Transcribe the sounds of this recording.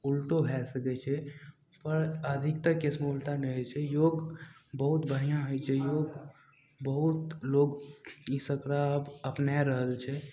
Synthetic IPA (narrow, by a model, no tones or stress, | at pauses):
ulʈobʱɛsəkɛt͡ʃʰɛ | pəɾəd̪ʱikt̪əɾkesmeulʈanɛɦojt͡ʃʰɛjoɡbəɦut̪bʱəɽ̤ijãɦojt͡ʃʰɛjoɡ | bəɦut̪loɡisəkɾaəbəpnaɾəɦəlt͡ʃʰɛ